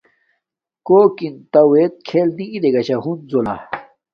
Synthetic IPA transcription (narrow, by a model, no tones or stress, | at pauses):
koːkint̪ɐwet̪̚kʰeːlniid̪eɡɐɕaɦunzola̰